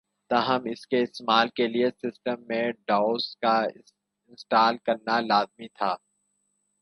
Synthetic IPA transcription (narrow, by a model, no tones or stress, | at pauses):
t̪aːɦəmɪskeɪsmaːlkeliesɪsʈəmːẽɖaːʊska | ɪ̃nsʈaːlkɐɾnalaːzmit̪ʰaː